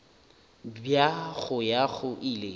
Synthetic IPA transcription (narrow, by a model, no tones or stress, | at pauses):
bjaɣʊjaɣʊʔile